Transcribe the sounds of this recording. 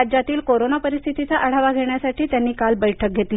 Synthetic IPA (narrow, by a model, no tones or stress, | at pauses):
ad͡ʑat̪iːlkoɾonapəɾist̪ʰit̪it͡saʔəɽ̤aʋaɡʱeɳjasaʈʰiːt̪janːiːkalbəjʈʰək̚ɡʱet̪l